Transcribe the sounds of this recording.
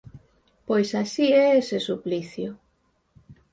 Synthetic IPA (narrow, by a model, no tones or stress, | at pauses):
pojsasiɛesesupliθjʊ